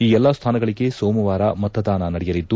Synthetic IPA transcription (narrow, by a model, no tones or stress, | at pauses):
iːɛlːɐst̪ʰaːnɐɡɐɭiɡe̞soːmɐʋaːɾɐmɐt̪ʰːɐd̪aːnɐnɐɽɛjɐlid̪ːu